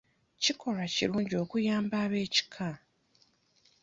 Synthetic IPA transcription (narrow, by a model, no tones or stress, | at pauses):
cikʰo̞ɾacḭɾuːɲɟio̞ːkujaːmbaːβe̞ːci̥kʰa